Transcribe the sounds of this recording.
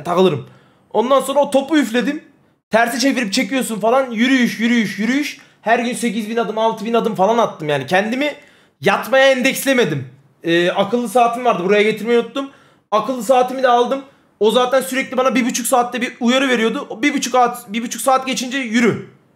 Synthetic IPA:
t̪ʰakɯlˠɯɾɯm | o̞nd̪anso̞nɾaot̪ʰo̞puyflʲe̞d̪im | t̪ʰæɾsit͡ʃʰe̞viɾip̚t͡ʃʰe̞cijo̞sunfalˠanjyɾyjyʃjyɾyjyʃjyɾyjyʃ | hæɾɟynse̞cizbinad̪ɯmalˠt̪ʰɯbinad̪ɯmfalˠanat̪ʰːɯmjaːnicʰɛnd̪imi | jat̪majaɛnd̪ɛcslʲeme̞d̪im | ɛːakʰɯlˠːɯsaːt̪ʰimivaɾd̪ɯbuɾajaɟe̞t̪ʰiɾmejnut̪ːum | akʰɯlˠːɯs̬aːt̪ʰimid̪ɛalˠd̪ɯm | o̞zaːt̪ʰænsyɾɛclʲibanabibyt͡ʃʰuksaːt̪ːɛbiujaɾɯve̞ɾijo̞d̪ʊbibut͡ʃʰukat̪bibyt͡ʃʰycsaːt̪ɟe̞t͡ʃʰind͡ʒɛjyɾy

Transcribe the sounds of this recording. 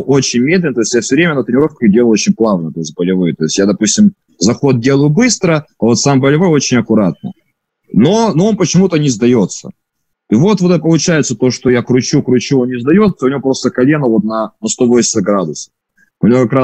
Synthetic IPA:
ʔo̞t͡ɕɪnʲmʲed̪lʲɪnt̪o̞ɪsʲjafsʲʊvɾʲemʲənət̪ɾʲɪnʲɪɾo̞fkədʲelˠot͡ɕɪnʲplˠavnət̪o̞ɪsʲt̪̚ʲbəlʲɪvɨjət̪o̞ɪsʲtʲjad̪ɐpusʲtʲɪm | zɐxo̞t̪̚dʲe̞lˠəjʊbɨst̪ɾəɐvo̞t̪sambəlʲɪvo̞jo̞t͡ɕɪnʲɐkʊɾat̪̚nə̰ | nonoonpət͡ɕɪmut̪ənʲɪzd̪ɐjo̞t̪sə̰ | ivo̞t̪vot̪ɛt̪əpəlˠʊt͡ɕæjɪt̪sət̪o̞ʂt̪ojakɾʊt͡ɕukɾʊt͡ɕuonnʲɪzd̪ɐjo̞t̪səʊnʲɪvopɾo̞st̪əkɐlʲe̞nəvo̞t̪̚nɐnɐst̪ovosʲɪ̥səɡɾad̪ʊsə̥ | ʊnʲɪvo̞kɐkɾa

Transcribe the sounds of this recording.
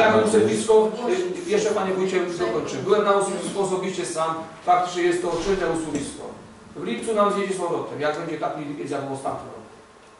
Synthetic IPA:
akɔ̃m̃usɛvʲiskɔjɛʂt͡ʂɛpaɲɛbujt͡ɕɛzɔk̪ɔnt͡ʂɨbɘwɛmnausuvʲiskɔːs̬ɔbʲiɕt͡ɕɛsam | fak̚t̪ʐɛjɛst̪ːɔt͡ʂɘnɛusuvʲiskɔ̰ | vlʲip̚t̪sunamzjed͡ʑɛt͡ɕmɔɾɔt̪ɛmjaɡ̚bɛɲd͡ʑɛt̪akʲipʲjɛzʲaɔɔst̪a̰nt̪ɲʲɛɾɔ̰ku̥

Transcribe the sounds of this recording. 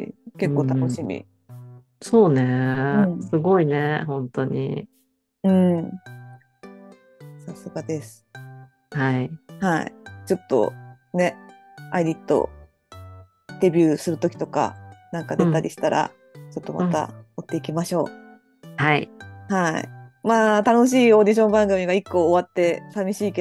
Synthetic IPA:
ke̞kːo̞ːt̪anoɕimʲḭ | so̞ːneɯ̃sɨɡo̞inehõ̞nt̪o̞ɲ̟ḭ | ɯ̟̃ːɴ | sasɨɡad̪e̞sɨ̥ | haihaḭt͡ɕo̞t̪ːo̞̰ | ne̞ | aid̪ʲit̪ːo̞̰ | d̪̥e̞bʲɨːsɨɾɯ̟t̪o̞kʲi̥t̪o̞ka̰nãŋkad̪et̪aɾʲʔiɕi̥t̪aɾʔa̰ | t͡ɕo̞t̪ːo̞mʔa̰t̪a̰ot̪ːe̞ikʲimaɕo̞ː | haḭhaḭmaːt̪ano̞ɕ̬iːo̞ːd̪ʲiɕ̬õ̞mbãŋɡɯ̟mʲiɡaikːo̞ːβat̪ːe̞samʲiɕiːke

